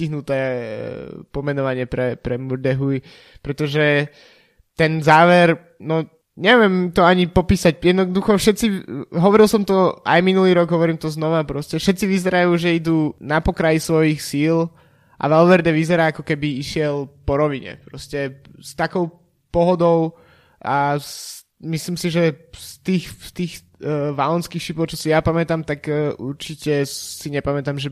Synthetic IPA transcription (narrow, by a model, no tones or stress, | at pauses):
iɦnut̪ɛː | pɔmɛnɔʋaɲɪɛpɾɛpɾɛmuɾd̪ɛɦui | pɾɛt̪ɔʒɛ | t̪ɛnzaːʋɛɾ | nɔ | ɲɛʋɛmt̪ɔaɲipɔpiːsacjɛd̪nɔd̪uxɔfʃɛt̪t͡siɦɔʋɔɾilˠsɔmt̪ɔa̰jminuliːɾɔɡɦɔʋɔɾiːmt̪ɔznɔʋapɾɔscɛfʃɛt̪t͡siʋizɛɾajuːʒɛid̪uːnapɔkɾajisʋɔjixsiːl | ʔa̰ʋɛlʋɛɾd̪ɛʋizɛɾaːakɔkɛbiiʃɪɛlpɔɾɔʋiɲɛ̰pɾɔscɛst̪akɔʊ | pɔɦɔd̪ɔʊ | ʔas | misliːmsiʒɛst̪iːxst̪iːx | ʋalɔnskixʃipɔʊt͡ʃɔsijapamɛt̪amt̪akʔuɾt͡ʃicɛsiɲɛpamɛt̪amʒɛ